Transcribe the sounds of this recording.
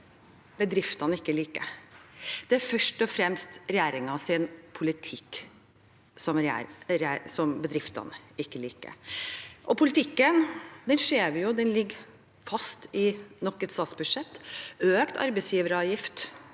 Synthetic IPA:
bəd̪ɾɪft̪ɑnəɪkːəliːkə̰ | d̪̥ɛæɾfœʂʈɔfɾɛmst̪ɾɛjæːɾɪŋɑsɪnpʰʊlɪt̪ʰɪkː | sɔmɾæ̰ɾæːsɔmbəd̪ɾɪft̪ɑ̰nəɪkːəliːkə̰ʔɔpʰʊlɪt̪ɪkːənd̪ɛnʂeːʋjʊd̪ɛnlɪɡː | fɑst̪ɪnɔkːɛt̪st̪ɑːt̪sbʉd̪ʂɛt̪ːøːkt̪ɑ̰ɾbɛsjiːʋəɾəɑjɪft̪

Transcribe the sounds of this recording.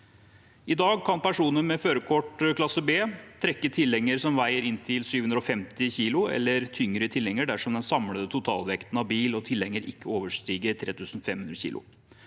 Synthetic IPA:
ɪd̪ɑːɡkʰɑnpæʂuːnəmɛføːɾəkʰɔʈəkʰlɑsəbeːt̪ʰɾɛkːət̪ʰɪlːɛŋəɾsɔmʋæɪəɾɪnːt̪ʰɪlsyːʋhʉnɾɔfɛmt̪ɪçiːlʊɛ̰lːəɾt̪ʰʏŋɾət̪ʰɪlːɛŋəɖæʂɔmd̪ɛnsɑmləd̪ət̪ʊt̪ʰɑ̰ːlʋɛkt̪ən̩ɑʋbiːlɔt̪ʰɪlːɛŋːəɾɪ̰kːəoːʋəʂʈɾiːɡəɾt̪ʰɾeːt̪ʰʉːsn̩fɛmhʉnd̪ɾəçḭːlʊ̰

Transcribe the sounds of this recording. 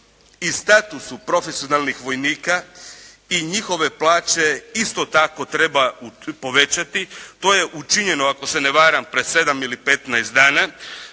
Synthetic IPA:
ist̪at̪usupɾo̞fesio̞nalnixʋo̞jniːka | iɲixo̞ʋe̞plˠaːt͡ɕe̞ist̪o̞t̪ako̞t̪ɾe̞baupo̞ʋe̞t͡ɕat̪it̪o̞ːje̞ʔut͡ʃiɲe̞noako̞se̞neʋaːɾampɾese̞d̪amilipe̞t̪najst̪d̪aːna

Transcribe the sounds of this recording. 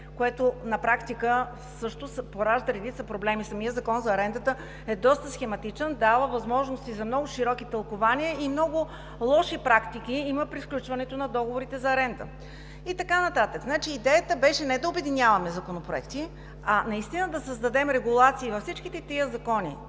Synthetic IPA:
koɛt̪onɐpɾakt̪ikə | sɤʃt̪ʊspoɾaʒd̪əɾɛd̪it̪səpɾoblɛmisɐmiəzɐkɔnzɐːɾɛnd̪ət̪ə | ɛd̪ɔst̪əsxɛmɐt̪it͡ʃənd̪avəvɐzmɔʒnost̪izɐmnɔɡʊʃiɾɔkit̪ɐlˠkovaniəimnɔɡʊ | lˠɔʃipɾakt̪ik̟ʲiiməpɾisklʲut͡ʃvɐnɛt̪onɐd̪ɔɡovoɾit̪ɛzɐːɾɛnd̪ə̰ | it̪ɐkanɐt̪at̪əkznat͡ʃiːd̪ɛjət̪əbɛʃɛnɛd̪ɐʊbɛd̪inʲjavɐəmɛzɐkonopɾoɛkt̪i | ɐnɐist̪inəd̪ɐsəzd̪ɐd̪ɛmɾɛɡulˠat̪siːvɐfsit͡ʃkit̪ɛt̪iəzɐkɔnḭ

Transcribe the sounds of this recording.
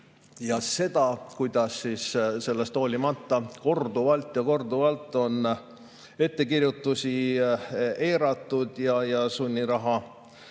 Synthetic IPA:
jɑse̞d̪̥ɑkujd̪̥ɑsːiːsse̞lːest̪o̞ːlʲimɑt̪ːɑko̞rd̪uvɑlt̪ːjɑko̞rd̪uvɑlt̪ːˑo̞n | e̞t̪ːe̞kirjut̪ːˑusi | e̞ːɾɑt̪ˑːud̪̥jɑjɑsunʲːiɾɑɦɑ

